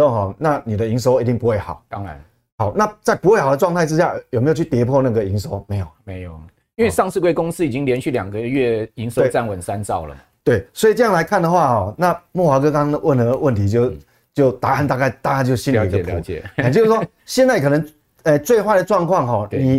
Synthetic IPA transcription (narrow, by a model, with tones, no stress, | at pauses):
o˥˨ŋɦɔ˨˩na˥˩ni˨˩d̪ə˩˦i˧˦ŋs̬o˧˥ʊi˧t̪i˥˩ŋpu˧˦xwe˥˩ɪxɑ̰˨˩˦ʊɑ˦ŋa̰˧˦n | ha˨˩ʊna˥˨t͡sa˥˩ɪpu˧˥xwe˥ɪxa˨˩ʊdə˦ʈ͡ʂwɑ˥˧ŋt̪ʰa˥˧ʈ͡ʂɻ̩˦ɕja˥˩jo˨˩me˧˦˥jo˨˩t͡ɕʰy˥˩t̪jɛ˧˥pʰwɔ˥˧na˥˩ɡə˨i˧˥ŋso˧˥ʊme˧˥ɪjo˨˩me˧˦ɪjo˨˩ | i˥˦nwe˥˧ɪʂɑ˥˧ŋsɹ̩˥˧kwe˥˧ɪkʊ˥ŋsɹ̩˥i˨˩t͡ɕi˦˥ŋljɛ˧˦nɕy˥˩ljɑ̰˨˩ŋɡə˦ɥɛ˥˧i˧˥ŋswe˥˩˨t͡sa˥˧nwə˨˩nsa˦nt͡sɑ˥˩ʊlə̰˩˨t̪we˥˩ɪswɔ˧˥i˨˩ʈ͡ʂɤ˥˧jɑ˥˨ŋla˧˥ɪkʰa˥˩nd̪ə˨xwa˥˩hɔ˨˩na˥˧mwɔ˥˩xwa˧˥kɤ˥kɑ˥ŋd̪ə˨wʔə˥˩nə˧˦wə˥˩nt̪ʰi˨˧˥t͡ɕjo˥˧ʊ | t͡ɕjo˥˩ʊt̪a˧˦a˥˧nt̪a˥˧ka˥˧ɪt̪a˥˧ka˥˧t͡ɕjo˥˧ʊɕi˥ni˧˨˦ɡə˨p̪ʰt͡ɕt͡ɕo˥˧sʂɔ˥ | ɕjɛ˥˧nt͡sa˥˩ɪkʰɤ˨˩nə˧˦ŋ | ə˥˧t͡swe˥˧ɪxwa˥ɪd̪ə˩ʈ͡ʂwɑ˥˧ŋkʰwɑ˥˨˩ŋɦɔ˨˩n˧i˨˩